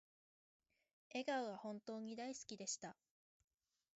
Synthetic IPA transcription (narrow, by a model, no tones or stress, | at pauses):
e̞ɡaɯ̟βahõ̞nt̪o̞ːɲ̟id̪aisɨ̥kʲid̪e̞ɕi̥t̪a